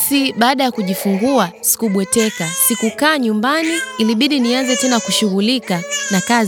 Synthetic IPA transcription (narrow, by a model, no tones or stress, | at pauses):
siɓaːɗajakuʄifuŋɡuasi̥kuɓwɛtɛkasikukaːɲumbaniːliɓiɗinianzɛtɛnakuʃuɣulikanakaz